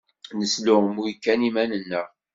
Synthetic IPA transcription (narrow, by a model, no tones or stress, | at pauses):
nəslʊʁmujkːænimænənːəʁ